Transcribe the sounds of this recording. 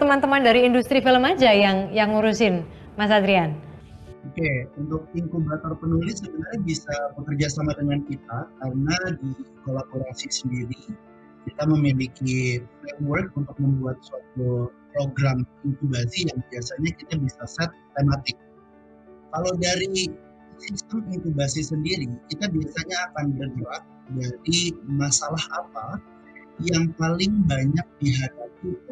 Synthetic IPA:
t̪əmant̪əmandaɾiːndust̪ɾifiləmad͡ʒajaŋjaŋuɾusɪn | mas̬ad̪ɾian | okeunt̪ʊk̚iŋkubat̪arpənulɪsəbənaɾabisabəkərd͡ʒasamadəŋankit̪akarənadikolaboɾasisəndiɾi | kit̪aməmilikiflɛmwərk̚unt̪ʊk̚məmbuat̪̚suat̪̚upɾoɡɾamint̪ubasijaŋbiasaɲakit̪abisasat̪ːemat̪ɪk̚ | kalawdaɾi | sist̪əmint̪ubasisəndiɾikit̪abiasaɲaːkanbərɡəɾak̚daɾimasalahapa | jaŋpalɪŋbaɲak̚diɦadapi

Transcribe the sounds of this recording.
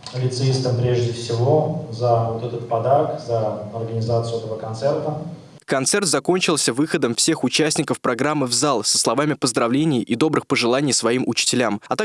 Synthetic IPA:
pəlʲɪt̪sɨist̪əmpɾʲeʐdʲɪfsʲɪvozəvot̪ɛt̪ət̪̚pɐd̪akzəɐrɡənʲɪzat̪sɨʊɛt̪əvəkɐnt̪sɛrt̪ə | kɐnt̪sɛrt̪zɐko̞nʲt͡ɕɪlˠsʲəvɨxəd̪əmfsʲe̞xʊt͡ɕæsʲnʲɪkəfpɾɐɡɾamːɨvzalˠsə̥slˠɐvamʲɪpəzd̪ɾɐvlʲenʲɪjʔɪ̰d̪o̞bɾɨxpəʐɨlˠanʲɪjsvɐimʊt͡ɕɪ̥tʲɪlʲamɐt̪a

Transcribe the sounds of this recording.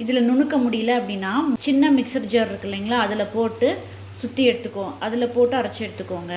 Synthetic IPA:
ɪðɪlɐnʊɳɯkːɐmʊɽɪjɪlɐɐpːɐɽɪnːaːt͡ʃɪnːɐmɪksɐɾd͡ʒɐɾɪɾɯkːɐliːŋɡɐɭaːɐðɪlɐpoːʈːɯ | sʊt̪ːɪjɛɽɯt̪ːɯkːõːʔɐðɪlɐpoːʈːɯɐɾɐt͡ʃːɪɛɽɯt̪ːɯkːoːŋɡɐ

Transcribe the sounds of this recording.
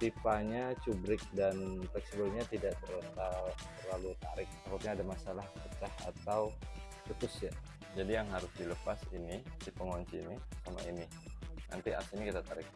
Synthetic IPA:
t̪ipaɲat͡ʃubɾɪk̚danpɛksibəlɲat̪idaʔt̪ərt̪at̪ərlalut̪a̰ɾɪk̚takut̪̚ɲaːdamasalahat͡ʃaha̰t̪aw | kut̪ʊsja | d͡ʒadijaŋɦaɾʊsdiləpasinisipəŋɔɲt͡ʃinisama̰inɪ | nʔa̰nt̪ia̰sinikit̪at̪aɾɪk̚

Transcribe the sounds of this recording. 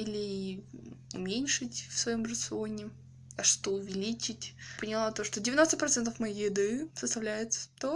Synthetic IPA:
ilʲɪi | ʊ̰mʲenʲʂɨtʲfsvɐjo̞mrət̪sɨo̞nʲɪ | ɐʂt̪o̥t̪oʊvʲɪlʲit͡ɕɪtʲpənʲɪlˠat̪o̞ʂt̪odʲɪvʲɪno̞st̪əpɾɐt̪sɛnt̪əfmɐjijɪd̪ɨsəst̪ɐvlʲæjɪt̪sə̥t̪o

